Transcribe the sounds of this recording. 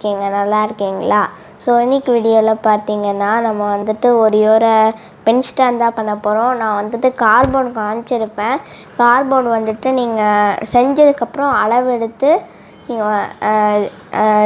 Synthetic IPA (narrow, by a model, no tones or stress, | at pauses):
kːiːŋɡɐnɐlːaːɪɾɯkːiːŋɡɐɭaː | soːɪnːɪkːɪʋiːɽɪjoːlɐpaːɾt̪iːŋɡɐnːaːnɐmːɐʋɐnd̪ɯʈːɯɔɾɯjoːɾɐ | pɛnsʈaːnt̪ãːpɐɳːɐpːoːɾõːnãːʋɐnd̪ɯʈːɯkaːɾboːʈkaːɳt͡ʃːɪɾɯpːẽː | kaːɾboːʈʋɐnd̪ɯʈːɯniːŋɡɐsɛɲd͡ʒɐðɯkːɐpːɯɾɔ̃ɐɭɐʋɛɽɯt̪ːɯ | niːɡɐ